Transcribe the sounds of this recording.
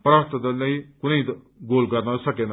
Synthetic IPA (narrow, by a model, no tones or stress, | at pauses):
pɾaːɾət̪d̪eləiːkʊneiː | ɡoːlkəɾnasəkeːn